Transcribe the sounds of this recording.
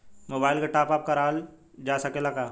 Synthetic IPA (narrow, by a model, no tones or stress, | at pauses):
moːbaːɪlkaʈaːpaːp̚kaɾaːl | d͡ʒaːsɐkelakaː